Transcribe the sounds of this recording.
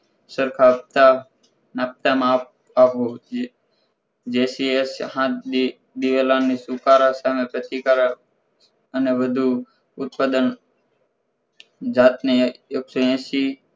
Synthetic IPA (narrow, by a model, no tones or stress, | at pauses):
səɾkʰap̚t̪a | naːp̚t̪amaːp | aːɦo | d͡ʒeːsieshãi | d̪iʋelãːnisukaːɾasaːmẽpɾət̪ikaɾa | əneʋəd̪ʱu | ʊt̪̚pad̪ən | d͡ʒaːt̪nejoksoẽːsi